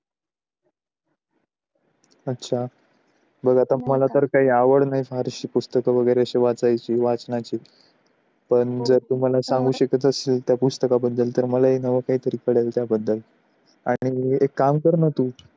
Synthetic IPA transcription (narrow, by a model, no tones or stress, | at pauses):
ətːɕʰa | bəɡʱat̪aməlat̪əɾkaɦiːaʋəɽnaɦifaɾɕiːpust̪əkəʋəɡəjɾeəɕeʋat͡sajt͡ɕiːʋat͡snat͡ɕiː | pəɳd͡zəɾt̪um̤alasãŋɡuːɕəkət̪əselt̪japust̪əkabəd̪ːəlt̪əɾməlaɦiːnəʋəkaɦiːt̪əɾiːkəɽalt̪jabəd̪ːəl | aɽ̃iekːamkəɾnət̪uː